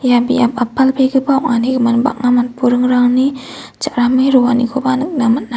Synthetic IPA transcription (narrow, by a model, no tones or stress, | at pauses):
jabiapapːalpekəbaukanikəmanba̰k̚namat̪̚puɾəŋɾaŋni | t͡ʃaʔɾameɾuwanikʰobanək̚namat̪na